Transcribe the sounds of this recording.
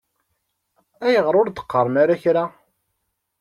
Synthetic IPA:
æjəʁəɾˤʊɾd̪ə̥qːəɾˤənaɾaçɾa

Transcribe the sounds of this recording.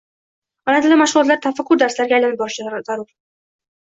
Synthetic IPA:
ɒlant̪ʰɪlɪmaʃʁʊlˠɒt̪laɾt̪ʰafakʰːʊɾd̪aɾslaɾɡʲajlanɪp̚bɒʃt͡ʃzaɾʊɾ

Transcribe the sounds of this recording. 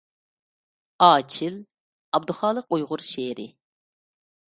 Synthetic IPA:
ɑːt͡ʃʰɪl | ɑb̚d̪ʊχɑːlˠəqujʁʊɾʃeːɾɪ̰

